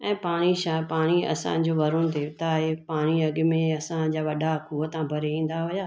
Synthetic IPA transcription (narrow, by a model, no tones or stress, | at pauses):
ɛ̃ːpaːɽ̃iʃapaːɽ̃iɐ̰sã̰d͡ʑoːʋɐɾõd̪eːʋɪt̪aɦepaːɽ̃iɐɠmẽɐsãd͡ʑaːʋɐɗakʰuːət̪ãbʱɐɾeĩːn̆d̪aɦʊjaː